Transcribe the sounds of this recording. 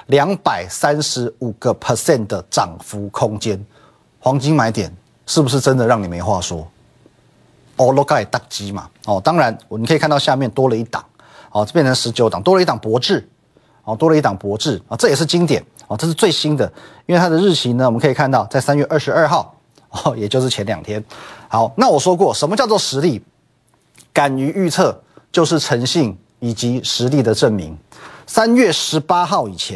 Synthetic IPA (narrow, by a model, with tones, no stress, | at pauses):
ljɑ˧˥ŋpa˨˩ɪsa˦nʂɻ̩˧˥u˨˩ɡə˨pʰə˨˩sjɛ˥˨nd̪ə˩ʈ͡ʂɑ˨˩ŋfu˨˥˦kʰo˦ŋt͡ɕjɛ˥n | xwɑ˧˦˥ŋt͡ɕi˥ŋma˧˥ɪt̪jɛ̰˨˩˦n | ʂɻ̩˥˩bu˩ʂ̬ɻ̩˥˩ʈ͡ʂə˦nd̪ə˨ɻɑ˥˩ŋni˨˩me˨˧˥ɪxwa˥˨swɔ˥ | ɔ˥˩lo˥ka˥˩ɛ˨˩t̪a˥˩ŋt͡ɕi˦˥ma̰˨ɔ˥˨t̪ɑ˥ŋɻa˧˦nɔ˨˩m˨kʰi˨ka˥˧t̪ɕja˥˧mjɛ˥˨nt̪wɔ˥lə˨˧i˥˩t̪ɑ̰˨˩ŋ | ɔ˥˨˥pjɛ˥˨nt͡sʰə˧˦ŋʂɻ̩˧˥t͡ɕjo˨˧˦t̪ɑ̰˨˩ŋt̪wɔ˥ə˧˦i˥˩t̪ɑ˨˩ŋpwɔ˧˥ʈ͡ʂɻ̩˥˩ | ɔ˥˨˩t̪wɔ˥lə˧i˥˩t̪ɑ˨˩ŋpwɔ˧˥ʈ͡ʂɻ̩˥˩ɔ˥˩ʈ͡ʂɤ˥˩jɛ˨˩ʂ̬ɻ̩˥˩t͡ɕi˥ŋt̪jɛ˨˩˦nɔ˥˧ʈ͡ʂɤ˥˧ʂɻ̩˥˧t͡swe˥˩ɪɕi˥nd̪ə˨i˥nwe˥˩˧t̪ʰa˥d̪ə˨ɻ̩˥˩t͡ɕʰi˧˥nə˧wmə˦nkʰɤ˧˥i˨˩kʰa˥˧nt̪ɑ˥˧ʊt͡sa˥˩ɪsa˥nɥɛ˥˧ʔə˞˥˩ʂɻ̩˧˥ə˞˥˧xɑ˥˩ʊ˧˩ | jɛ˨˩t͡ɕjo˥˧ʊʂɻ̩˥˩t͡ɕʰɛ˧˦˥nljɑ˨˩ŋt̪ʰjɛ˥nxɑ˧˥ʊna˥˩wɔ˨˩ʂwɔ˥kwɔ˥˩ʂə˧nmə˧t͡ɕjɑ˥˧ʊt͡swɔ˥˧ʂɻ̩˧˥li˥˩ | ka˨˩ny˧˥y˥˧t͡sʰɤ˥˩ | t͡ɕjo˥˧ʊʂɻ̩˥˩ʈ͡ʂʰɤ˧˥ŋɕi˥˩ŋ | i˨˩t͡ɕi˧˥ʂɻ̩˧˥li˥˩d̪ə˩ʈ͡ʂə˥˩nmḭ˧˥ŋsa˦˥nɥɛ˥˩ʂɻ̩˧˥pa˥xɑ˥˩ʊi˨˩t͡ɕʰjɛ˧˦